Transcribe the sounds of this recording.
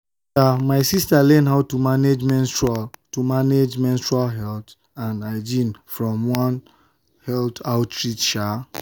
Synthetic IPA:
amaɪsistalɛ̃nɦaʊtumaned͡ʒmɛ̃ntatumaned͡ʒmɛ̃ntɹualɦɛlt | ãnaɪd͡ʒĩnfɹɔ̃mwɔ̃n | hɛltaʊtɹitʃa

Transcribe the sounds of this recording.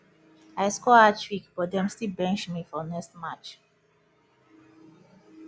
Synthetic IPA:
aɪskɔat͡ʃwikb̥ɔt̚dɛ̃mstilbɛ̃nt͡ʃmifɔnɛkstmat͡ʃ

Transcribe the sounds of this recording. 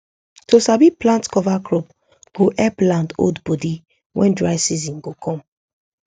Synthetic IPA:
tosabiplãntkɔvakʰɹɔp̚ | ɡ̥oʔɛplãndo̰dbɔdi | wʔɛ̰̃ndɹaɪsizĩnɡokʰɔ̃m

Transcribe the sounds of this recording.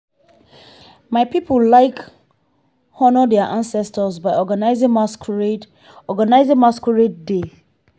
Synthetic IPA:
maɪpipʰollaɪk | hɔnədɛaʔãnsɛstəsbaɪɔɡanaɪzɪ̃ŋmask | ɔɡanaɪzɪ̃ŋmaskɔɹet̚de

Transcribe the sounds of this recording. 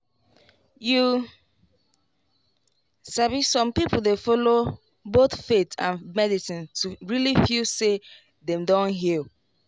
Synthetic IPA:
ju | savissɔ̃mpipoldefɔlo | boθfetʰã̰nmɛdisĩntuɹilifilse | dɛ̃mdɔ̃nɦil

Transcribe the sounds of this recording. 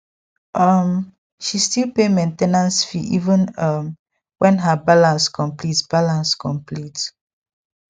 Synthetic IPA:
ʔʌm | ʃistilpemẽntenãnsfiʔivə̃nʌm | wɛ̃nɦabalãnskɔ̃mplitsb̥alãnskɔ̃mplit

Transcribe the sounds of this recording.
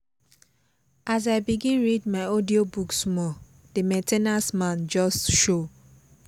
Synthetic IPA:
ʔaz̬aɪbiɡĩnɹidmaɪɔdiobuksmɔ | d̥emɛ̃tʰenasmãnd͡ʒɔstʃo

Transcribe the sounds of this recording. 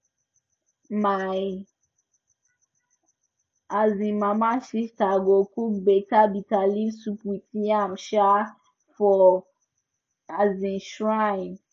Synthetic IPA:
maj | azĩmamaʃiʃtaɡokukbetabitalisupitiamʃa | fɔ | azĩʃɹaĩn

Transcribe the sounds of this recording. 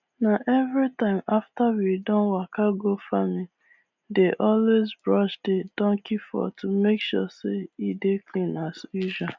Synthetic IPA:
naʔɛvɹitãɪ̃maftawidɔ̃nwakaɡofami | deʔɔlwezbɹɔʃded̥ɔ̃ŋkifɔ̰tʰumekʃɔ̰seideklĩnaswiʒa

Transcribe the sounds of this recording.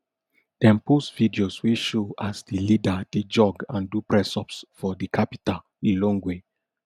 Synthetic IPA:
d̥ɛ̃mpusvidioswiʃoasdilidaded͡ʒɔɡãndupɹɛsɔpsfɔdikʰapi̥tal | ilõŋɡwe

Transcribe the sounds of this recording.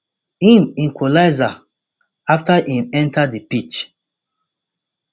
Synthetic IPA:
hĩmĩŋkʰolaɪza | aftaʔĩmɛ̃ntʰadipit͡ʃ

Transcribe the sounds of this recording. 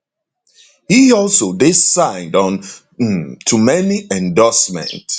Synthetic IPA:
hiɔlsodɪssãɪ̃ndɔ̃n | tʰumɛniʔɛ̃ndɔsmɛ̰̃nt

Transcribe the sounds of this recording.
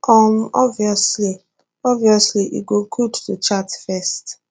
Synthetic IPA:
ɔm̩ɔviɔsli | ɔviɔsliʔḭɡokʰudtut͡ʃatfɛst

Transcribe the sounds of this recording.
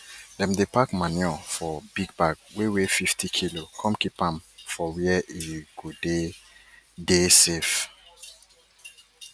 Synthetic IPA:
dɛ̃mdepakmãnjɔfɔb̥iɡ̚baɡwewefiftʰikʰilokʰɔ̃mkipãmfɔwiɛʔiɡ̥ode | desef

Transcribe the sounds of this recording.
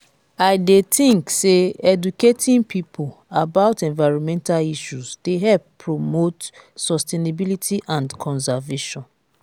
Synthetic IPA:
aɪdetĩŋkseɛduketʰĩnpʰipʰolabaʊtɛ̃nvaɪɹɔ̃nmɛ̃ntaliʃuzd̥eɦɛlppʰːɹomotsɔstenabilitʰiʔãndkʰɔ̃ns̬aveʃɔ̃n

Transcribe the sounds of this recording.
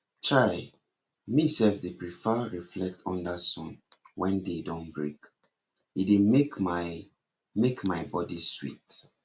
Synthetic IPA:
t͡ʃaɹi | misɛlfdepɹifəɹiflɛk̚tʰɔ̃ndasɔ̰̃n | wɛ̃ndedɔ̃nbɹik | idemekma | mekmaɪbɔdiswḭt

